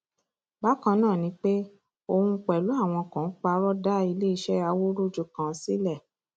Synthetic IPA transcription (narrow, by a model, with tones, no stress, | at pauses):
ba˦kã˧˦nãː˦˨nĩ˧˦k͡pe˦ | o˧hũ˧˦k͡pɛ˨lu˨˦a˦˨w̃ɔ̃˧kã˨˦k͡pa˧˦ɾɔ˦da˦i˧le˦i˧ʃɛ˦a˧wo˦ɾu˦d͡ʒu˧kã˨˦si˦lɛ˦˨